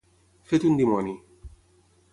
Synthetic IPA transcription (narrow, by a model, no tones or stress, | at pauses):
fet̪und̪imɔni